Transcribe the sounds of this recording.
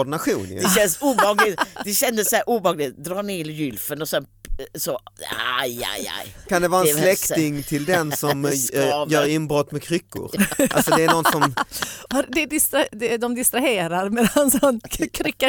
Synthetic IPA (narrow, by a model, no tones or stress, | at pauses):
ɔɖɪnaɧuːn̰ɛɛnsuːbɑːɡlɪt̪d̪ɛɕɛnd̪əsæɾʔuːbɛhɑːɡlɪt̪̚d̪ɾɑːneːljʏlfənɔsɛnsɔaja̰ja̰jkʰand̪ɛvɑːɛnslɛkt̪ɪŋt̪ʰɪld̪ɛnsɔmjœːɾɪnbɾɔt̪ːmɛkʰɾʏkːʊ̰ɾʔalsɔd̪ɛːnɔnsɔmvaɾd̪ɛd̪ɪst̪ɾad̪ɛd̪ɔmd̪ɪst̪ɾaheːɾaɾmeːd̪ansɔnkʰɾʏkːa